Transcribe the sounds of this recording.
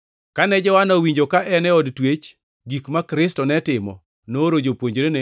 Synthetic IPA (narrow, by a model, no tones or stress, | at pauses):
kanɛd͡ʒɔwanɔwiɲd͡ʒokaʔɛnɛɔdtwet͡ʃ | ɡikmakɾɪstɔnɛtɪmɔ̰ | noɾod͡ʒopwoɲd͡ʒɾene